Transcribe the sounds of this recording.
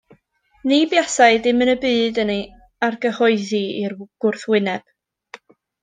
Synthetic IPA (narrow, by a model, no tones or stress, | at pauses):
nibjasaɨdɪmənəbɨːdənej | arɡəhɔɨðiirɡ̥ʊrθwɪnɛb̥